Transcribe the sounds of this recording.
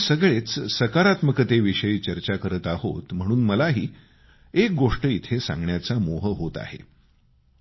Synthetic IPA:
səɡɭet͡ssəkaɾat̪məkət̪eʋiʂəiːt͡ɕəɾt͡ɕakəɾət̪ahot̪m̤əɽ̃uːnməlaɦiː | ek̚ɡoʂʈəit̪ʰesã̰ŋɡɳjat͡samoɦəɦot̪a̰hḛ

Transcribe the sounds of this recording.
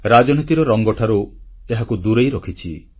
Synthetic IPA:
ɾad͡ʒɔnit̪iɾɔɾɔŋɡɔʈʰaɾueɦakud̪uɾejɾɔkʰit͡ʃʰi

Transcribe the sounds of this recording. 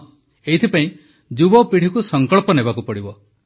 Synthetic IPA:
eit̪ʰipaĩ | d͡ʒubɔpiɽ̤ikusɔŋkɔɭpɔnebakupɔɽibɔ

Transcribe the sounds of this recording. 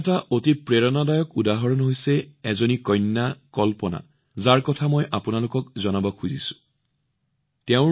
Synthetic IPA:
taʔotipɹeɹɔnadajɔkudaɦɔɹɔnɦojsɛɛzonikɔjnːakɔlpɔna̰ | zaɹkɔtʰamɔjʔapunalʊkɔk̚zɔnabɔkʰuzisʊ̥ | tɛʊ̃

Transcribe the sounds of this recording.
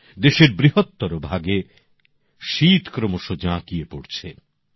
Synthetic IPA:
d̪eʃeɾbɾiɦot̪ːoɾobʱaɡe | ʃit̪kɾomoʃod͡ʑãkiepoɾt͡ɕʰe

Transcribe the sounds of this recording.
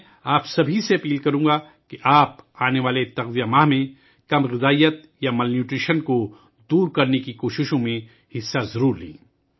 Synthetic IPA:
aːpsɐbʱiseɐpiːlkɐɾũːɡa | keʔaːpaːneʋaːlet̪ɐɣzijamaːɦmẽ | kɐmɣɪzaːijət̪̚ | jamɐlnjuːʈɾiːʃənko | d̪uːɾkɐɾnekikoːʃɪʃõmẽ | hɪsːazɐɾuːɾlḭ̃ː

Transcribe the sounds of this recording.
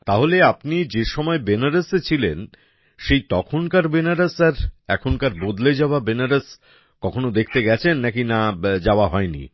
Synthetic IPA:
t̪aɦoleapnid͡ʑeʃɔmɔebenaɾaset͡ɕʰilen | ʃejt̪ɔkʰonkaɾbenaɾasaɾɛkʰonkaɾbod̪led͡ʑaoabenaɾas | kɔkʰonod̪ekʰt̪eɡɛt͡ɕʰenːakinad͡ʑaoaɦɔenḭ

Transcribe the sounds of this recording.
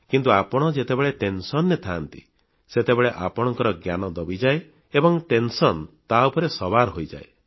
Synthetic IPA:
kint̪uapɔɽ̃ɔd͡ʒet̪ebeɭeʈensɔnːet̪ʰaːnt̪ḭ | set̪ebeɭeʔapɔɽ̃ɔŋkɔɾɔɡjanɔd̪ɔbid͡ʒae | ebɔŋʈensɔnt̪aopɔɾesɔbaɾɦojd͡ʒa̰e

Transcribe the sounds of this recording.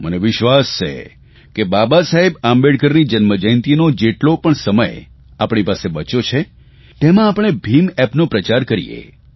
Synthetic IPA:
məneʋɪʃʋast͡ʃʰḛ | kebabasaɦebambeɽkəɾnid͡ʒənməd͡ʒəjnt̪inod͡ʒeʈlopəɳsəmə̰j | apɳ̃ipasebət͡ʃot͡ʃʰe | t̪emãːpɳ̃ebʱimɛpnopɾət͡ʃaɾkəɾḭjḛ

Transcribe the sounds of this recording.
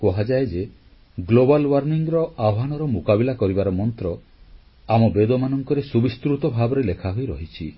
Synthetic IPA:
kɔɦad͡ʒaed͡ʒe | ɡlobalwaɾniŋɾɔaɦanɔɾɔmukabilakɔɾibaɾɔmɔnt̪ɾɔ | amɔbed̪ɔmanɔŋkɔɾesubist̪ɾut̪ɔbʱabɔɾelekʰaɦojɾɔɦit͡ʃʰi

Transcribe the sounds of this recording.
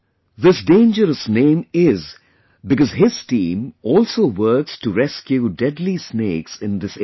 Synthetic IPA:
ðɪsdẽɪ̃nd͡ʒəɾəsnẽɪ̃mɪz | bɨkʌzɦɪz̥tĩːmɔlˠsoːwɜ˞kstuɾɛskjudɛdlisneɪksɪ̃nðɪs

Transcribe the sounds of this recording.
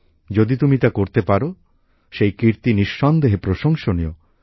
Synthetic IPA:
d͡ʒod̪it̪umit̪akoɾt̪epaɾo | ʃejkiɾt̪iniʃːɔnd̪eɦepɾoʃɔŋʃɔniɔ

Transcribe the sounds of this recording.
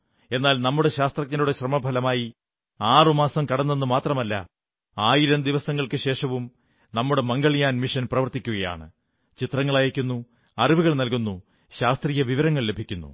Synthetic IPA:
e̞nːaːlnɐmːuɽe̞ɕaːst̪rɐk̚ɲɐnuɽeɕrɐmɐbʱɐlɐmaːji | aːrɨmaːsɐmkɐɽɐnːenːumaːt̪rɐmɐlːɐ̰ | aːjiɾɐmd̪iʋɐsɐŋːɐɭkɨɕe̞ːʂɐʋum | nɐmːuɽemɐŋɡɐɭijaːnmiʂɐnprɐʋɐrt̪ikʲːuɣɐja̰ːɳɨ̰ | t͡ɕit̪rɐŋːɐɭajɐkʲːunːu | ɐriʋuɣɐɭnɐlkunːu | ɕaːst̪rijɐʋiʋɐɾɐŋːɐɭle̞bʱikʲːunːṵ

